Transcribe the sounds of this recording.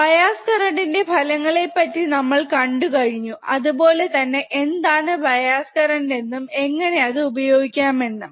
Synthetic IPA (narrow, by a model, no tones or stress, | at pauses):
bɐjaːskɐɾɐɳɖinde̞bʱɐlɐŋːɐɭe̞pːɐtːinɐmːɐɭkɐɳɖukɐɻiɲːuɐðupo̞ːle̞t̪ɐnːe̞ʔend̪aːɳɨbʱɐjaːskɐɾɐɳɖe̞nːume̞ŋːɐne̞ɐðɨubɐjo̞ːɡikʲːaːmʋeɳːɐm